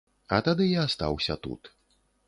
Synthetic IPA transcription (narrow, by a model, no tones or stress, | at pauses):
ɐt̪ad̪ɨjaːst̪a̰wsʲɐt̪ṵt̪